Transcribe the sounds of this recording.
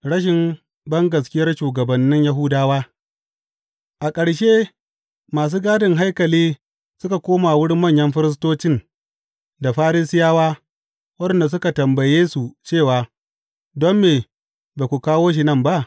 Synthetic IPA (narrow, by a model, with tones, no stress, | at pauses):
ɽɐ˦ʃ̬ɪ˨m | bɐ˦ŋɡɐ˨s̬kʲɪ˦jɐ˦rʃuː˨ɡɐ˨bɐ˨nːɪ˦ɲja˦ɦʊ˦daː˦waː˦ | ʔa˨kʼɐ˨ɽʃeː˦ | maː˨s̬uː˦ɡaː˦dɪ˨ŋɦa˦jkɐ˨liː˦ | sʊ˦ka˨kʷoː˦maː˨wʊ˦ɽɪ˦mmɐ˦˨ɲjɐ˦mɸɪ˦ɾɪ˦s̬toː˦t͡ʃɪ˦˨n | da˨ɸaː˦ɾiː˦sɪ˦jaː˦waː˦ | wɐ˦ɗɐ˨nda˨s̬ʊ˦ka˨tɐ˨mbɐ˨jeː˦su˨t͡ʃeː˦˨waː˨ | dɔ˦mːeː˨ | baː˨kʷu˨kaː˦woː˦ʃ̬i˨nɐ˦mba˦˨ʔ